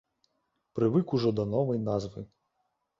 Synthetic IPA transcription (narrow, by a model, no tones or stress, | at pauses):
pɾɪʋɪkʊʒɔd̪ɔnɔʋɔjnɑzʋɪ